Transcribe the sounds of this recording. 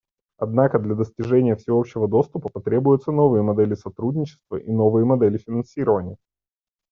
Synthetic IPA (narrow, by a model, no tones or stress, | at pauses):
ɐd̪nakəd̪lʲɐd̪əsʲtʲɪʐɛnʲɪjəfsʲɪo̞pɕːɪvəd̪o̞st̪ʊpəpɐt̪ɾʲe̞bʊjʊt̪səno̞vɨjəmɐd̪ɛlʲɪsɐt̪ɾudʲnʲɪt͡ɕɪ̥st̪və̰ʔino̞vɨjəmɐd̪ɛlʲɪfʲɪnɐnsʲiɾəvənʲɪjə